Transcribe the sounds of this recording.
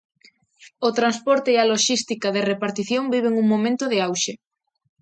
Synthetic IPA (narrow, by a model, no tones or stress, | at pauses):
ot̪ɾanspɔɾt̪eːaloʃist̪ikaðerepaɾt̪iθjõŋbiβ̞eŋuŋmõmẽnt̪oðeawʃe